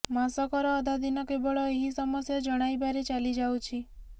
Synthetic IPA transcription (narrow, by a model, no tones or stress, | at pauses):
masɔkɔɾɔːd̪ad̪inɔkebɔɭɔeɦisɔmɔsjad͡ʒɔɽ̃ajbaɾet͡ʃalid͡ʒawt͡ʃʰi